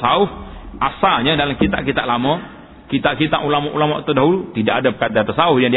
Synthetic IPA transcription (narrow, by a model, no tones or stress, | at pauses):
saʊhasaɲadalamkit̪aʔkit̪aʔlamə | kit̪aʔkit̪aʔulamaʔulama̰ʔt̪ədaɦulut̪idaʔadapə̥kat̪aat̪asaʊhjaŋdi